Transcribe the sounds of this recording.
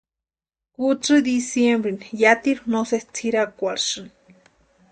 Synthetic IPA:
kut͡sɨd̪isjembɾinjat̪iɾunosest͡sʰiɾakʷaɾʂɨn

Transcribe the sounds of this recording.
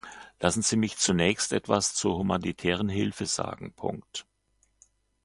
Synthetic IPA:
lasn̩z̥iːmɪçt͡sunɛːçstʔɛ̰tv̥ast͡suːɐhumanitʰɛːʁ̞ənɦɪlfəza̰ːɡŋ̩pʰʊ̰ŋkt

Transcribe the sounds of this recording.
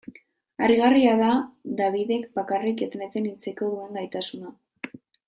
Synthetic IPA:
ariɣariaðad̪aβiðe̞kbakariket̪net̪e̞nit͡seko̞ðue̞ŋɡajt̪asuna

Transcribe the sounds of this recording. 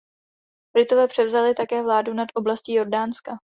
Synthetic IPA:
b̥ɾɪt̪o̞vɛːpr̝̥ɛvzalɪt̪akɛːvlaːdunat̪ʔo̞blasciːjo̞ɾdaːnska

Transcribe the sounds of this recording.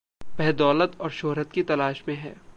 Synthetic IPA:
pɛɦd̪ɔːlət̪ɔːɾʃoːɦɾət̪kit̪ɐlaːʃmẽɦɛ̰ː

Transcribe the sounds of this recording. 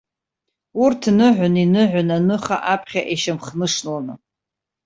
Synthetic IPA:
urtʰnɨʕʷʊninɨʕʷʊnanɨχa̰ʔapʰχʲaʔeʃamχnɨʂnlanɨ

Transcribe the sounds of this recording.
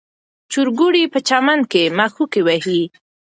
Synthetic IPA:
t͡ʃuɾɡuɽipət͡ʃamankemaxukewaɦi

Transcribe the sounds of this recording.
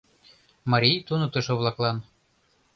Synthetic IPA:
mɑɾʲijt̪unɤt̪ɤ̆ʃɤ̆βlˠɑklˠɑn

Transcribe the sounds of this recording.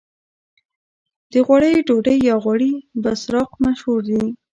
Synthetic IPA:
d̪̥əɣwaɽəjɖoɖəjːɑɣaɽibasɾɑqmaʃhuɾd̪i

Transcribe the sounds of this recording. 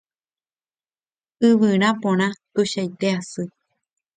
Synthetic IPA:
ɨβɨɾ̃ãpõɾ̃ãt̪uɕajt̪easɨ

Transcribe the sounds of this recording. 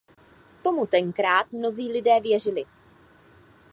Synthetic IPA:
t̪o̞mut̪ɛŋkɾaːt̪̚mno̞ziːlɪdɛːvjɛr̝ɪlɪ

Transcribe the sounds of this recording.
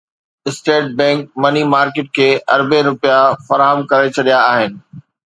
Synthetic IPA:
ɪsʈeːʈ̚bɛ̃ːŋk̚mɐnimaːɾkeːʈ̚kʰeːɐɾbeɾʊpijafɐɾaːɦəmkɐɾet͡ɕʰɐɗijaaːɦɪnɪ̆

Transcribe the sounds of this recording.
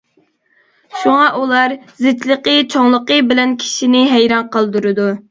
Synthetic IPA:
ʃuŋɑʔulˠɑɾzɪt̪lˠəqət͡ʃʰoŋlˠəqəbɪlɛnkʲʰi̥ʃinɪɦæjɾɑnqəlˠd̪uɾɨd̪u

